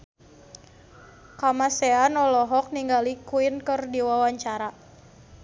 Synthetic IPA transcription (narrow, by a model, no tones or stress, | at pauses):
kamasɛanɔlɔɦɔk̚niŋɡalikuinkɨrdiwawaɲt͡ʃaɾa